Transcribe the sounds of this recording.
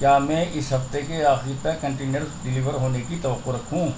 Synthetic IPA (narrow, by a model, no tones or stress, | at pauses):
kjaːmɛ̃ːʔɪsɦɐft̪ekeaːxɪɾip̪ɐkɐ̃ɳʈiːnjəɾsɖɪliːʋəɾɦoːnekit̪ɐʋəqːoɾɐkʰũː